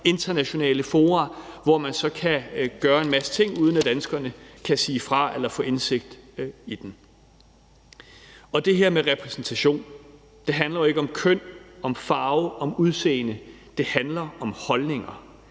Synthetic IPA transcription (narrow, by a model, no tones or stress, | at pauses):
e̝nd̥ɐnæɕo̝nɛ̰ːləfo̝ːʁɑ̈ʋɒmænsɒ̽kʰæɡ̥ɶːɐe̝nmæsə̥t͡sʰe̝ŋ̰uð̞ˠnæd̥ænsɡ̥ɐnəkʰæsiːfʁɑ̈elɐfɔ̰̽ːe̝nse̝ɡ̥̚d̥id̥en | ɒ̽d̥e̝ɦeɐ̰meʁɛpʰʁɛsn̩t͡sʰæɕo̝̰ːn | d̥e̝ɦænlɐjoe̝ɡ̥ɒ̽mkʰøn̰ɒ̽mfɑ̈ːʊɒ̽muð̞ˠsḛːnə | d̥e̝hænlɐɒ̽mhɒ̽lne̝ŋɐ